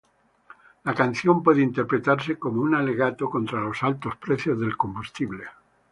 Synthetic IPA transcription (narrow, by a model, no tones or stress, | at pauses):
lakan̟θjompweðeint̪eɾpɾet̪aɾseko̞mounaleɣat̪oko̞nt̪ɾalo̞salt̪o̞spɾeθjozðelko̞mbust̪iβle